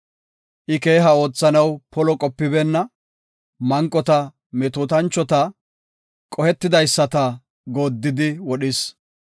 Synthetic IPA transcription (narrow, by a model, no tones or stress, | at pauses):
ʔɪke̞ːɦɐo̞ːt͡sːɐnɐwpɔlɔkʼɔpːɪbɛnːɐ | mɐŋkʼːɔt̪ɐ | mɛt̪uːt̪ɐnt͡ʃːɔt̪ɐ | kʼɔhɛt̪ːɪd̪ɐjsːɐt̪ɐ | ɡo̞ːd̪ːɪd̪ɪwɔɗɪs